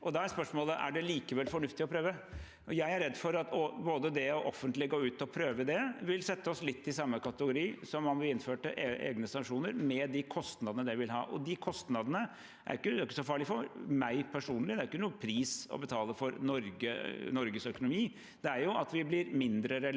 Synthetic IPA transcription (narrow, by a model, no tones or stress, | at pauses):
ʔɔd̪ɑæɾspœʂmoːləʔæ̰ɖɛliːkəʋɛlfɔɳʉft̪ɪɔpʰɾøːʋə | ɔjæɪæɾɛd̪ːfɔɾɑt̪ɔboːd̪əd̪ɛɔʔɔfːənt̪lɪɡoːʉːt̪ɔpʰɾøːʋəd̪ɛʋɪlsɛt̪ːəɔslɪt̪ːɪsɑmːəkɑt̪əɡʊɾiːsɔmːɑnʋɪlɪnføːʈə̰ʔeḛːɡnəsɑŋkʂuːnəɾmɛd̪ɪkʰɔst̪nɑd̪ənəd̪ɛʋɪlɦɑ̰ːʔɔ̰d̪ɪkʰɔst̪nɑd̪ənə | ʔæ̰ɾjɪkːəʊkːəsɔfɑːɭɪfɔmæɪpʰæʂuːnlɪd̪ɛæɾjɪkːənuːəpʰɾiːsɔ̰bət̪ʰɑːləfɔɾnɔɾɡənɔɾɡəsœkʊnʊmiː | d̪ɛæɾjʊɑt̪ʋɪblɪɾmɪnd̪ɾəɾɛ